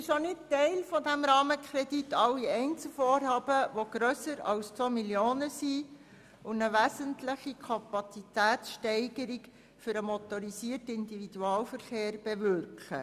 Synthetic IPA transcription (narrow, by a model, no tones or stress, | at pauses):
ɪʃonɪt̚tɛɪlfɔdæmɾɑːməkʰɾɛditɑlːiɛɪnt͡sl̩foːɾhɑːbəʋoɡ̥ɾœsəɾɑ̰lst͡somiljoːnəsi | ʊnəʋæsəntləχikʰɑpɑt͡sit̪æːtsʃtɛɪɡ̥əɾik | fʏɾəmɔtɔɾisiːərtəɪndivid̥uɑːlfəɾχeːɾb̥ɛʋʏrkχə̰